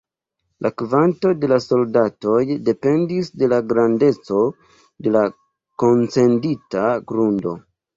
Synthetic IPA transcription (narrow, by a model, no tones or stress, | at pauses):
lʔakvanto̞de̞laso̞ldato̞jde̞pe̞ndisde̞laɡɾande̞t͡so̞ | de̞la | ko̞nt͡se̞nditaɡɾundo̞̰